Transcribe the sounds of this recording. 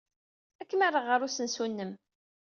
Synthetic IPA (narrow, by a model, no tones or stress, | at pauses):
ækːəmarˤːəʁəɾusənsunːəm